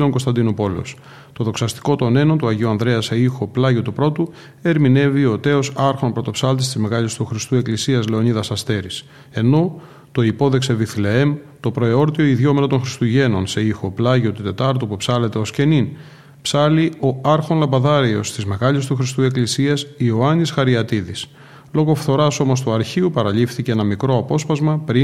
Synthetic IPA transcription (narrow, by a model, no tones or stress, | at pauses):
loŋkost̪ɐnd̪inopo̞les | t̪o̞ðo̞ksɐst̪i̥ko̞t̪o̞ne̞not̪uɐʝeuɐnðɾe̞ɐseixo̞plɐʝot̪upɾo̞t̪u | e̞ɾmine̞vio̞t̪e̞o̞sɐɾxo̞npɾo̞t̪o̞psɐlt̪ist̪izme̞ɣɐʎist̪uxɾist̪ue̞klisiɐzle̞o̞niðɐsɐst̪e̞ɾis | e̞no̞ | t̪o̞ipo̞ðe̞kse̞viθle̞emt̪o̞pɾo̞io̞ɾt̪io̞iðʝo̞me̞not̪o̞nxɾist̪uʝe̞no̞nse̞ixo̞plɐʝio̞t̪ut̪e̞t̪ɐɾt̪upupsɐle̞t̪e̞o̞sce̞nin | psɐlio̞ɐɾxo̞nlɐmbɐðɐɾio̞st̪izme̞ɣɐlʎist̪uxɾist̪ue̞klisiɐsioɐnisxɐɾiɐt̪iðis | lo̞ɣo̞fθo̞ɾɐso̞mo̞st̪uɐɾçiupɐɾɐʎifθice̞enɐmikɾo̞ɐpo̞spɐzmɐpɾi